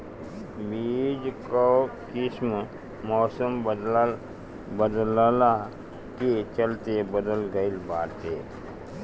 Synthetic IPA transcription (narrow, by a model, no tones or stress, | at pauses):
biːd͡ʒkokɪsm | mɔːsəmbəd̪ll | bəd̪lla | ket͡ʃəlt̪ebəd̪əlɡəɪlbaːɾt̪eː